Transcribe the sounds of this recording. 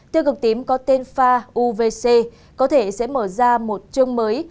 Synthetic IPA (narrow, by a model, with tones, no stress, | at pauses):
t̪ɨ˧kɨ˨˩k̚t̪i˨˦əmkɔ˨˦t̪e˧nfaː˧ʔu˧ve˧se˧ | kɔ˨˦t̪ʰe˧˩sɛ̰˧˥məː˧˩zaː˧mo˨˩t̚t͡ɕɨ˧əŋməː˨˦j